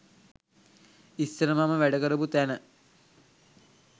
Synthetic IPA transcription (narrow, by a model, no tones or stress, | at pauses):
isːəɾəmaməʋæɖəkəɾəput̪ænə